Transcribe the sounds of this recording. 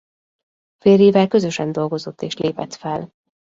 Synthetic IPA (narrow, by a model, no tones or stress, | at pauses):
feːɾeːvɛlkø̞zø̞ʃɛnd̪o̞lɡo̞zo̞t̪ʰːeːʃleːpɛt̪fɛl